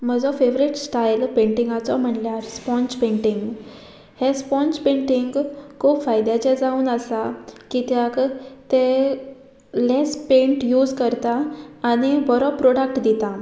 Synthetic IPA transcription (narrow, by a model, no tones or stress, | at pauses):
m̤əd͡zɔfeʋɾiʈsʈajlpẽɳʈiŋɡat͡sɔm̤əɳljaɾspɔ̃nspẽɳʈiŋɡ | hespɔ̃nspẽɳʈiŋɡkʰuːpfajd̪jat͡ɕed͡zauːnəsakit̪jakt̪e | lespẽɳʈjuːd͡zkəɾt̪aːñibɔɾɔpːɾoɽak̚ʈd̪it̪a